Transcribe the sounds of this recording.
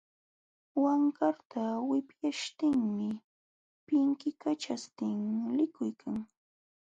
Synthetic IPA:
waŋkaɾt̪ʰawɪpjaʃt̪ɪŋmɪ | pɪŋkɪkat͡ʃast̪ɪŋlɪkʊjkʰaŋ

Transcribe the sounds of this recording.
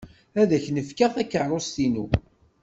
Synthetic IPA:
æðæçnəfkaʁθækːəʕrˤost̪inṵ

